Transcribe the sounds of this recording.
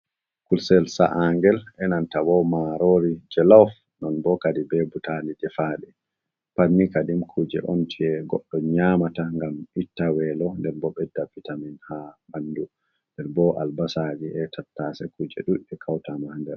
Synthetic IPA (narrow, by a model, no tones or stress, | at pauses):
kulsɛlsa̰ʔaŋɡɛlʔɛnantawɔmaɾoɾid͡ʒɛlaf | nɔnbɔkadibɛbutalidɛfaɗɛ | panːikadimkʰud͡ʒɛʔomtʰiɛɡɔ̰ɗːɔɲamataŋɡamitːawɛlɔndɛɾbɔɓɛdabːitaminhabandu | ndɛɾbɔʔa̰lbasad͡ʒiɛtʰatːasɛkud͡ʒɛ̰ɗuɗɛkʰawtamahndɛl